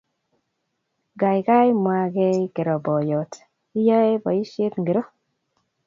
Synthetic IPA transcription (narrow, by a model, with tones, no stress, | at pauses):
ɡa˨jka˦jmwa˨ɡe˦ke˨ɾɔ˨bɔ˨jɔ˨t | i˦jɔ˦e˦bɔ˨i˦ʃe˦t̪ŋɡi˨ɾo˦